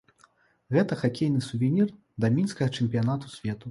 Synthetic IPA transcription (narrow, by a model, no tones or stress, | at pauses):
ɣɛt̪ɐxakʲejnɨsuvʲenʲir | d̪ɐmʲinskɐɣɐt͡ʂɛmʲpʲijan̪at̪usʲvʲɛt̪u